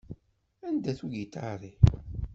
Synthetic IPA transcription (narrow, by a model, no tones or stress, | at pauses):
ænd̪æθuʝit̪a̰ɾˤi